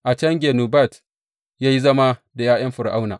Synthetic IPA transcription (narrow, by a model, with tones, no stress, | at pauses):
ʔa˨t͡ʃɐ˦ŋɡʲeː˨nuː˨ba˦˨t | jaː˦ji˦zɐ˦ma˦da˨jaː˦j̰ɐ˦mɸʊ˨ɾʔa˦wnaː˨